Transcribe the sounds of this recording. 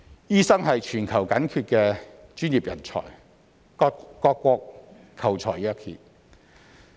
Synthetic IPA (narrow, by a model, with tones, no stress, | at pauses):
jiː˥sɐ˥ŋɦɐ˨jt͡ʃʰyː˨˩nkʰɐ˨˩wkɐ˨˥nkʰyː˧t̚kɛː˧t͡ʃyː˥njiː˨p̚jɐ̰˨˩nt͡sʰɔ̰ː˨˩j | ɔː˧kːʷɔː˧k̚ | kʰɐ˨˩wt͡ʃʰɔː˨˩jœː˨˧khʰḭː˨